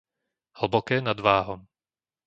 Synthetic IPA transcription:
hl̩bokɛːnad̪vaːɦom

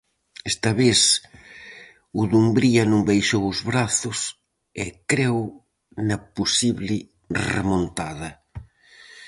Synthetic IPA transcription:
ɛst̪ɐβeθ | uðumbɾiɐnũmbejʃowʊzβɾaθʊs | ekɾew | nɐposiβlɪ | rḛmõnt̪aðɐ

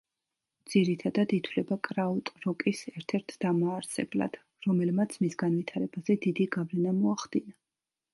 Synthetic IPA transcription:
d̪z̥iɾit̪ʰad̪ad̪it̪ʰwlɛbakʼɾaɔt̪ʼɾɔkʼisɛɾt̪ʰɛɾt̪ʰd̪amaːɾsɛ̰bla̰d̪̥ | ɾɔmɛlmat̪sʰmisɡanvit̪ʰaɾɛbazɛd̪id̪iɡavlɛnamɔaχd̪̥ina

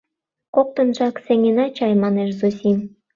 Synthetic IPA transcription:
kok̚t̪ə̆nʒɑkseŋenɑt͡ɕɑjmɑneʃzusim

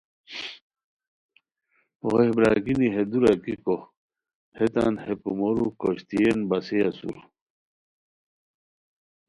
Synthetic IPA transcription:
ʁobɾaɡiniɦed̪uɾɐkiko | het̪a̰nhepumoɾukoɕt̪ienbɐseasṵɾ

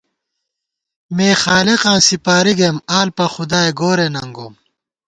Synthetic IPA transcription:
meːxaːleqãːnsipaːɾiɡemaːlpɐxud̪aːeɡoːɾenɐŋɡoːm

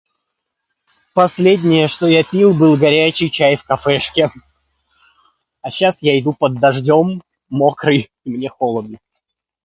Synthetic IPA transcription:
pɐsʲlʲedʲnʲɪjəʂt̪o̞japʲilˠbɨlˠɡɐɾʲæt͡ɕɪjt͡ɕajfkɐfɛʂkʲɪ | ɐɕasjaɪd̪upəd̪ːɐʐdʲo̞mː | okɾɨj | imnʲexolˠəd̪ɨ

